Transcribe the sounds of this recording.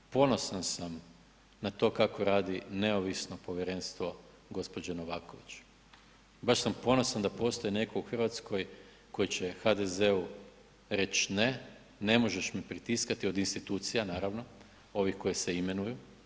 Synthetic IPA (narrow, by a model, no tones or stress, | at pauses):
po̞no̞sansam | nat̪o̞ːkako̞ɾaːd̪ineoʋisno̞po̞ʋjeɾe̞nst̪ʋo̞ | ɡo̞spo̞d͡ʑeno̞ʋaːko̞ʋit͡ɕu̥ | baʃsampo̞no̞sand̪apo̞st̪o̞jine̞kouxr̩ʋat̪sko̞j | ko̞jit͡ɕe̞xad̪e̞ze̞u | ɾe̞t͡ɕne̞ | ne̞mo̞ʒeʃmipɾit̪iskat̪io̞d̪inst̪it̪uːt̪sijanaːɾaʋno̞ | o̞ʋixko̞jise̞ime̞nuju